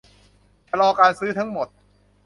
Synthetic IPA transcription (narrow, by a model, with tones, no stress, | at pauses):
t͡ɕʰa˧lɔː˧kaː˧nsɯː˦˥t̪ʰa˦˥ŋmo˨˩t̪̚